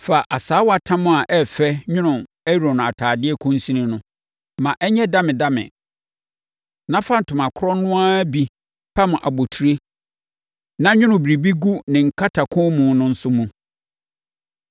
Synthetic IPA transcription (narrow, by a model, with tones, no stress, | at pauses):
fa˨ʔa˨saː˨˦wɔ˦a˨tʰã˦mʊ̃˦a˨ʔɛ˦fɛ˦ɲʊ̃˦nʊ̃˨ | ɛ˦˨o˨nʊ̃˨a˨tʰaː˨dɪ˦ɛ˦kʰʊ̃˦n˦sĩ˦nɪ̃˦nʊ̃˦ | mã˨ʔɛ˦ɲɛ˦dã˦mɪ̃˨da˦mɪ̰̃˨ | nã˦fa˦n̩˨tʊ˨mã˨kʰʊ˦ɾɔ˦nʊ̃˦a˦bi˨ | pʰa˦mʊ̃˨ʔa˨bo˨tʰu˨ɾe˦ | nã˦ɲᶣʊ̃˦nʊ̃˨bɾi˨bi˦ɡu˦nɪ̃˨ŋ̩˨kʰa˦tʰa˨kʰʊ̃˦mũ˨nʊ̃˦n̩˦sʊ˦mũ˦